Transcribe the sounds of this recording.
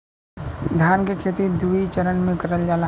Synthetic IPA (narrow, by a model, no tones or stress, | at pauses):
d̪ʱjaːnkekʰeːt̪id̪uit͡ʃəɾənmẽkəɾəld͡ʒaːla